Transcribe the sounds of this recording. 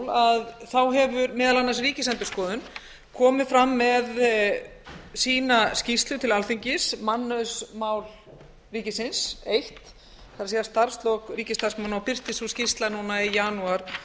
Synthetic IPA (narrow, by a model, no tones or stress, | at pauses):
laðθawɦɛvʏɾmɪːðalanːas̬riːcɪsɛnt̪ʏskɔːðʏn | kʰɔːmɪfɾamːɛð | siːnascist̪lʏt̪ʰɪlalθiɲcɪsmanːʏsmaːwl | riːcɪsɪnsejht̪ | kaɾasiːðast̪aɾ̥st̪lɔkriːcɪst̪aɾsmawnawpɪr̥t̪ɪsuscɪst̪lanuːnaɪjaːnuaɾ̥